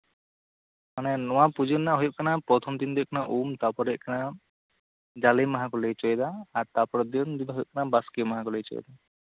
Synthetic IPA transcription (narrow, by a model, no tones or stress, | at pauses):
manɛnɔ̃wapud͡ʒənːaʔɦɔjɔʔkanapɾɔt̪ʰɔmd̪ind̪ɔjkanaʔumt̪apɔɾɛʔkana | d͡ʒalemaɦãkɔlejt͡ʃɔjd̪aːɾt̪apɔɾɔd̪ɔnd̪id̪ɦjɔ̰ʔkanabaskemaɦãkɔlejt͡ʃɔ̰j̰d̪a